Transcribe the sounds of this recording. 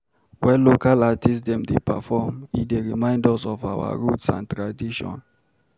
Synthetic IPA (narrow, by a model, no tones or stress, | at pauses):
wɛlokalatisdɛ̃mdepɛfɔmḭdeɹimãɪ̃ndɔsɔvawa̰ɹutsã̰ntɹadiʃɔ̰̃n